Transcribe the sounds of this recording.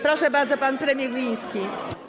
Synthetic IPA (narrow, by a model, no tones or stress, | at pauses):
pɾɔʂɛbaɾd̪zɔpanpɾɛmʲjɛɾɡlʲĩj̃skʲi